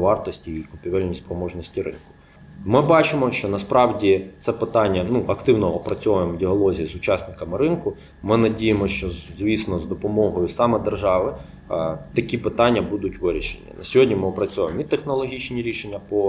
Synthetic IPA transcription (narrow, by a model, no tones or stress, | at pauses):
ʋɑrt̪ɔsʲtʲiːkʊpʲiʋɛlʲnʲispɾɔmɔʒnɔsʲtʲiɾɪ̰nkʊ̥ | mɪbɑt͡ʃɪmɔʃt͡ʃɔnɐspɾɑwdʲit̪sɛpɪt̪ɑnʲːɐnuʔɐkt̪ɪwnɔɔpɾɐt͡sʲɔɐjemɔdʲiɦɔlˠɔzʲijizʊt͡ʃɑsnɪkɐmɪɾɪnkʊ | mɪnɐdʲijemɔʃt͡ʃɔzʲʋʲisnɔzd̪ɔpɔmɔɦɔjʊsɑmɛd̪erʒɑʋɪ | t̪ɐkʲipɪt̪ɑnʲːɐbud̪ʊtʲʋɪɾʲiʃḛnʲːḭnɐ̰sʲɔɦɔdʲnʲimɪɔpɾɐt͡sʲɔʋemit̪exnɔlˠɔɦʲit͡ʃnʲiɾʲiʃenʲːɐpɔ